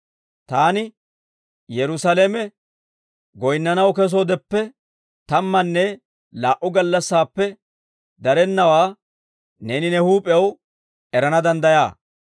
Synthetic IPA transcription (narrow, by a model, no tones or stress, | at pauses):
t̪aːnɪ | jɛɾʊsɐleːmɛ | ɡɔjnːɐnɐwkɛs̬oːd̪ɛpːɛ | t̪ɐmːɐnːɛ | laːʔʊɡɐlːɐsːaːpːɛ | d̪ɐɾɛnːɐwaː | neːnɪnɛhuːpʼɛw | ʔɛɾɐnɐd̪ɐnd̪ɐjaː